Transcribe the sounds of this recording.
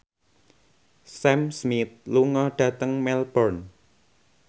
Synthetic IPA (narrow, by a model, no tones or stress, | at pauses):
sɛmsmit̪̚luŋɔɖ̥ä̤t̪əŋmɛlbɔrn